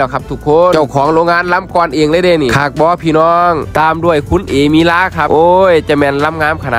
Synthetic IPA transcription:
lɛː˧˩kʰa˧˥p̚t̪ʰu˧˩kʰːo˧˥t͡ɕa˧˩wkʰɔː˨˩˦ŋɾoː˧ŋaː˧˥˨nla˧˥˨mkɔː˧nʔeː˧ŋlɤː˧˥˦deː˧˩ni˧˩kʰaː˧˩k̚bɔː˧˥pʰiː˧˩nɔː˧ŋt̪aː˧mdu˧˩əjkʰu˧˥˨nʔeː˨˩miː˧˥laː˧˥˨kʰa˧˩ʔoː˧jt͡ɕa˧˩mɛː˧˨nla˧˥mŋaː˧˥˨mkʰa˧na˧˩

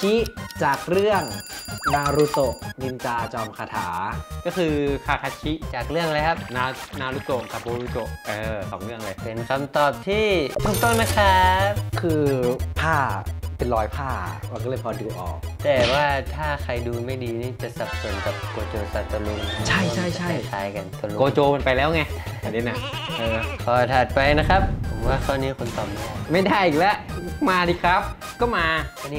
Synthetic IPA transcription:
kʰi˦˥ʔt͡ɕaː˨˩k̚ɾɯ˥˩əŋnaː˧ɾuː˧˦t̪o˨˩k̚ni˧nt͡ɕaː˧t͡ɕɔː˧mkʰaː˧t̪ʰa̰ː˩˦kɔː˥˩kʰɯː˧kʰaː˧˩kʰaː˧t͡ɕʰi˦˥ʔt͡ɕaː˨˩k̚ɾɯ˥˩əŋʔa˧jkʰa˦˥p̚naː˦˥wnaː˦˥wɾuː˦˧˩t͡ɕo˨˩ŋkʰa˦˧˥boː˧ɾuː˧˥t̪o˨˩k̚ʔɤː˧kʰɔː˩˦ŋlɯ˥˩əŋla˧jpe˧nkʰa˧mt̪ɔː˨˩p̚t̪ʰiː˥˩t̪ʰu˥˩k̚t̪o˥˩ŋna˦˥kʰa˦˥p̚kʰɯː˧pʰaː˥˩pe˧nlɔː˦˥jpʰaː˥˩ma˧kɔː˥˩lːɤ˧˩jpʰɔː˧duː˧ʔɔ̰ː˨˩k̚t̪ɛː˨˩waː˥˩t̪ʰaː˥˩kʰa˧jduː˧ma˥˩jdiː˧niː˥˩t͡ɕa˨˩sa˨˩p̚so˨˩˦nka˨˩p̚koː˧t͡ɕoː˧sa˧˩t̪o˧luː˧n˧t͡ɕʰa˥˩jʰa˥˩jt͡ɕa˧a˥˩jt͡ɕʰaː˦˥jka˧nt̪o˧lu˧oː˧t͡ɕoː˧pe˧npa˧jlɛː˦˥wŋa˧˩a˨˧ni˦˥na˧˩ʔɤː˧˩kʰɔː˨˩t̪ʰaː˨˩t̪̚pa˧jna˦˥kʰa˦˥p̚pʰo˩˦mwaː˥˩t̪kʰaː˧˩nːiː˦˥kʰo˧˦nt̪ɔː˨˩p̚na˧˩ma˥˩jdaː˥˩jʔiː˨k̚lɛ˦˥ʔmaː˧diː˧kʰɾa˦˥p̚ | kɔː˥˩maː˧a˧˩niː˦˧

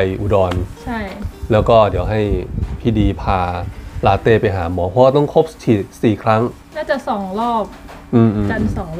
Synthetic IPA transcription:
jʔuː˧˩dɔː˧nt͡ɕʰa˥˩jlɛː˦˥wkɔː˥˩di˩˦əwɦa˥˩jpʰiː˥˩diː˧pʰaː˧laː˦˥t̪eː˥˩pa˧jɦaː˩˦mɔː˩˦pʰɔ˦˥wa˥˧t̪ɔ˥˩ŋkʰo˦˥p̚t͡ɕʰiː˨˩siː˨˩kʰɾa˦˥ŋ | naː˦˥˩t͡ɕa˨˩sɔː˨˩˦ŋlɔː˥˩p̚ | ʔɯː˧mʔːa˨˧˩nsɔː˩˦ŋ

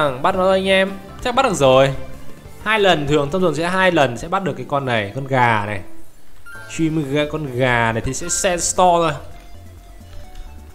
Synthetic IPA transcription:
ŋɓa˦˥t̚nɔ˨˦jʔa˧ŋʔɛ˧m | t͡ɕa˦˥k̚ɓa˦˥t̚ɗ̚zo˨˩j | haː˧jlə˨˩nt̪ʰɨ˨˩əŋt̪ʰə˧wŋ͡mzu˨˩ŋsɛ̰˧˥ɦaː˧jlə˨˩nsɛ̰˧˥ɓa˦˥t̚ɗəkːaː˨˦jkɔ˧nːa˨˩jkɔ˧nɣaː˨˩na˨˩j | t͡ɕwi˧mɨ˧ɣə˧˨kɔ˧nɣaː˨˩na˨˩jt̪ʰi˨˩sɛ̰˧˥sɛ˧nst̪ɔ˧zo˧˩j

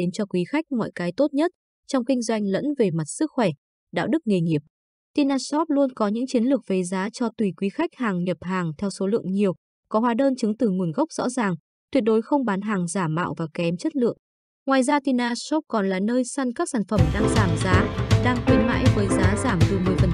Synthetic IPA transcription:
ɗe˨˦nt͡ɕɔ˧kwi˨˦xa˦˥jk̟̚mɔ̰˧˨jkaː˨˦jt̪o˦˥t̚ɲə˦˥t̚ | t͡ɕɔ˧wŋ͡mkï˧ŋ̟zwa˧jŋ̟lə̰˧˥nve˨˩ma˨˩t̚sɨ˦˥k̚xwɛ˧˩ | ɗa̰ː˧˨wɗɨ˦˥k̚ŋe˨˩ŋi˨˩əp̚ | t̪i˧naː˧sɔ˦˥p̚lu˧ənkɔ˨˦ɲɨ̰˧˥ŋt͡ɕi˨˦ənlɨ˨˩ək̚ve˨˦zaː˨˦t͡ɕɔ˧t̪wi˨˩kwi˨˦xa˦˥jk̚haː˨˩ŋɲə˨˩p̚ɦaː˨˩ŋt̪ʰɛ˧wso˨˦lɨ̰˧˨əŋɲi˨˩əw | kɔ˨˦ɦwaː˨˦ɗəː˧nt͡ɕɨ˨˦ŋt̪ɨ˨˩ŋu˨˩ənɣə˦˥wk͡p̚zɔ̰˧˥zaː˨˩ŋ | t̪wi˨˩ət̚ɗo˨˦jxə˧wŋ͡mɓaː˨˦nɦaː˨˩ŋzaː˧˩mːa̰ː˧˨wvaː˨˩kɛ˨˦mt͡ɕə˦˥t̚lɨ̰˧˨əŋ | ŋwaː˨˩jzaː˧t̪i˧naː˧sɔ˦˥p̚kɔ˨˩nlaː˨˩nəː˧jsa˧nkaː˦˥k̚saː˧˩nfə˧˩mɗaː˧ŋzaː˧˩mzaː˨˦ɗaː˧ŋt̪wi˨˦ma̰ː˧˥jvəː˨˦jzaː˨˦zaː˧˩mt̪ɨ˨˩mɨ˨˩əjfə˨˩n

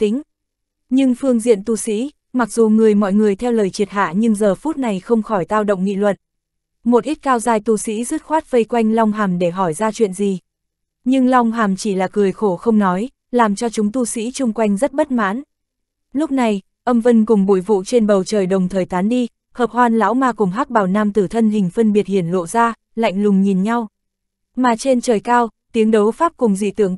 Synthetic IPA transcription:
t̪ï˨˦ŋ̟ | ɲɨ˧ŋfɨ˧əŋzḭ˧˨ənt̪u˧sḭ˧˥ | ma˨˩k̚zu˨˩ŋɨ˨˩əjmɔ̰˧˨jŋɨ˨˩əjt̪ʰɛ˧wləː˨˩jt͡ɕi˨˩ət̚ɦa̰ː˧˨ɲɨ˧ŋzəː˨˩fu˦˥t̚na˨˩jxə˧wŋ͡mxɔ˧˩jt̪aː˧wɗə̰˧˨wŋ͡mŋḭ˧˨lwə̰˧˨n | mo˨˩t̚ʔi˦˥t̚kaː˧wzaː˧jt̪u˧sḭ˧˥zɨ˦˥t̚xwaː˦˥t̚və˧jkwa˧jŋ̟lɔ˧wŋ͡mɦaː˨˩mɗe˧˩ɦɔ˧˩jzaː˧t͡ɕwḭ˧˨ənzi˨˩ | ɲɨ˧ŋla˧wŋ͡mɦaː˨˩mt͡ɕi˧˩laː˨˩kɨ˨˩əjxo˧˩xə˧wŋ͡mnɔ˨˦j | laː˨˩mt͡ɕɔ˧t͡ɕʊ˨˦ŋ͡mt̪u˧sḭ˧˥t͡ɕʊ˧ŋ͡mkwa˧jŋ̟zə˦˥t̚ɓə˦˥t̚ma̰ː˧˥n | lʊ˦˥k͡p̚na˨˩j | ʔə˧mvə˧nkʊ˨˩ŋ͡mɓṵ˧˩jvṵ˧˨t͡ɕe˧nɓə˨˩wt͡ɕəː˨˩jɗə˨˩wŋ͡mt̪ʰəː˨˩jt̪aː˨˦nɗi˧ | həː˨˩p̚hwaː˧nla̰ː˧˥wmaː˧kʊ˨˩ŋ͡mɦaː˦˥k̚ɓaː˨˩wnaː˧mt̪ɨ˧˩t̪ʰə˧nhï˨˩ŋ̟fə˧nɓi˨˩ət̚hi˧˩ənlo̰˧˨zaː˧ | la̰˧˨jŋ̟lʊ˨˩ŋ͡mɲi˨˩nɲa˧w | maː˨˩t͡ɕe˧nt͡ɕəː˨˩jkaː˧wt̪i˨˦əŋɗə˨˦wfaː˦˥p̚kʊ˨˩ŋ͡mzḭ˧˨t̪ɨ˧˩əŋ

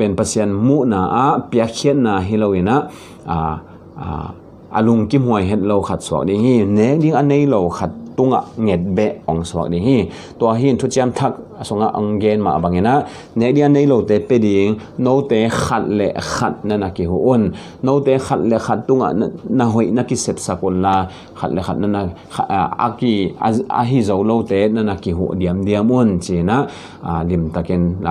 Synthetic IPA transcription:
pɛ˨npa˧sʰi˧ə˧nmu˦ʔnaː˨˩ʔa˨˦ʔpi˨˧a˦kkʰi˧˦ət̚naː˨˩ɦi˧lo˧wi˨na˨ʔ | a˨ | ʔa̰˧lu˨˧ŋki˦m̥u˨ə˨jɦɛ˧t̪̚lo˧wkʰa˨t̪̚su˧˨ɐk̚di˧ŋhi˧nɛ˨˦k̚di˧˥˦ŋʔa˧˨ne˧˦jlo˨wkʰa˧t̪̚ːu˧˥ŋa̰˨ʔŋɛ˨˩t̪̚bɛ˧˨ʔɔ˨˦ŋsu˧˨ək̚di˧ŋɦi˧ | t̪u˧a˧˩ɦi˦˨nt̪ʰu˦t͡si˧ə˧mt̪ʰa˧k̚su˨ŋa˧ʔa˧ŋɡɛ˧nma̰˨ʔba˨ŋʔi˨na˨ʔ | nɛ˨˦k̚di˧˦ŋʔa˧˨ne˦jlo˨wt̪ɛ˨˦pɛ˧˨di˨˦ŋno˦wt̪ɛ˨˦xʰa˨t̪̚lɛ̰˨ʔxʰa˨t̪̚na˧na˧˨ki˨ɦṵ˧˨ʔu˦nː | o˦wt̪ɛ˨˦xʰa˧t̪̚lɛ˨xʰa˨t̪̚ːu˧ŋa̰˨ʔna˧ɦɔ˨jna˧ki˧sɛ˨p̚sa˧k̚u˧nla˧ | xʰa̰˨t̪̚lɛ˨xʰa˧˨t̚na˧na˧ | a̰˧ki˧a̰˧ɦi˧zo˨˧wlo˧wt̪ɛ˨˦na˧na˧˨ki˨ɦṵ˨ʔdi˧əmdi˧əmu˧˦nt͡si˨na˦ʔ | li˨mt̪a˨˧ki˧n˨

